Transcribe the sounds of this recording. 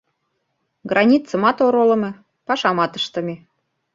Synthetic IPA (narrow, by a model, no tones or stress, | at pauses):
ɡrɑnʲit̪t͡sə̆mɑt̪oɾolɤ̆me | pɑʃɑmɑt̪əʃt̪ə̆mʲe